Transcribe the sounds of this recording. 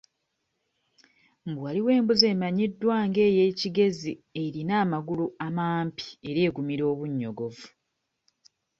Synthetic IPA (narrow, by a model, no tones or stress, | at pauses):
mbwaliwe̞ːmbuze̞ːmaɲidːwaːŋɡe̞ːje̞ːciɡe̞zie̞ɾinaːmaɡuluamaːmpi̥e̞ɾe̞ːɡumiɾo̞ːβuɲːo̞ɡo̞vu